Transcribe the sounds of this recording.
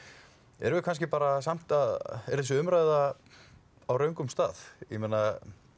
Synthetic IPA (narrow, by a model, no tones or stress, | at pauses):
ɛ̰ɾvʏkʰans̬cɪpaːɾasam̥t̪aðɛɾðɛsʏʏmɾaːjða | awɾœɥŋkʏmst̪aːθjɛmeːna